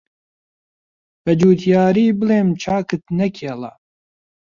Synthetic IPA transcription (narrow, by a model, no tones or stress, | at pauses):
b̥ɐd͡ʒuːt̪ʰjaːɾiːbɨleːmt͡ʃʰaːkɨt̪nɐkʰeːlɐ̰